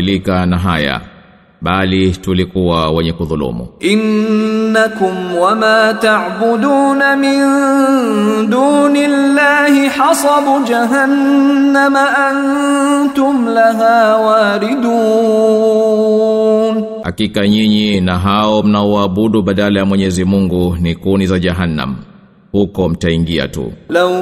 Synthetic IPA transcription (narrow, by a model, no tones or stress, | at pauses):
likanaɦaja̰ | ɓalitulikuwawɛɲɛkuðulṵmṵʔɪnː | akʊmwamaːt̪aʕbʊd̪uːnamɪn | d̪uːnɪlːaːhɪħɑsˤɑbud͡ʒaɦanːamaʔant̪ʊmlaɦaːwaːɾɪd̪uː | n | ha̰kikaɲiɲinaɦaɔm̩naɔwaːɓuɗuɓaɗalajamwɛɲɛzimuŋɡunikunizaʄaɦanːa̰m̩ | hukɔm̩taiŋɡia̰tṵlaw